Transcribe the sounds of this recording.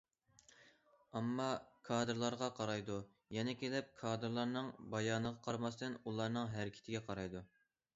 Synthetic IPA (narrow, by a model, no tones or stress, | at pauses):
ɑmːɑkʰɑːd̪ɨɾlˠɑɾʁɑqʰɑɾɑjd̪u | jɛnɛkʲʰelɪp̚kʰɑːd̪ɨɾlˠɑɾnɨŋbɑjɑːnəʁɑqʰɑɾmɑst̪ɨnulˠɑɾnɨŋɦæɾɪkʲʰɪ̥t̪ʰɪɡʲɛqʰɑɾɑjd̪u